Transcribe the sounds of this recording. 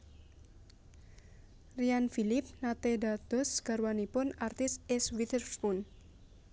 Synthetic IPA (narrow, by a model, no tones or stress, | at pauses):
rianfilɪp̚nat̪edad̪̥ɔsɡ̥a̤ɾwanipʊnart̪ɪsɛswit̪ərfpʊn